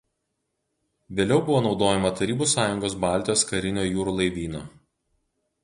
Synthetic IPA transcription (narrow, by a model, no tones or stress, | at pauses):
ʋʲeːlʲɛʊbʊʋoːnɒʊd̪oːjɛmɐt̪ɐɾʲiːbuːsɑːjʊŋɡoːsbɑˑlʲt̪ʲɪjoːskɐɾʲɪnʲoːjuːɾuːlˠɐɪʋʲiːno